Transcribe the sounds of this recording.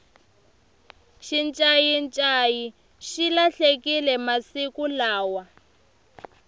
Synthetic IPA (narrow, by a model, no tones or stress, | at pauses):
ʃint͡ʃʼajint͡ʃʼaji | ʃilaɬekilɛmasikulaːwa